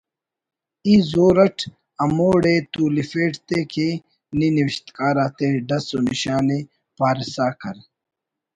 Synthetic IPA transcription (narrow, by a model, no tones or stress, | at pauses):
izoːɾɐʈʰ | ɐmoːɽet̪uːlifeːʈt̪ekʰe | niniʋiɕt̪kaːɾaːt̪eɖɐsoniɕaːne | paːɾisaːkɐɾ